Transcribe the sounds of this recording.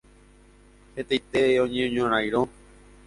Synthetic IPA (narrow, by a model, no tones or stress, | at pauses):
het̪ejt̪eõɲẽɲõɾ̃ãjɾõ